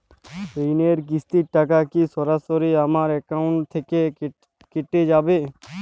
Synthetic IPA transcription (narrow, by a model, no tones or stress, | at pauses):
ɾineɾɡɪst̪iʈakakisɔɾasoɾiaːmaɾɛkaʊɳʈt̪ʰeke | keʈːed͡ʒaːbe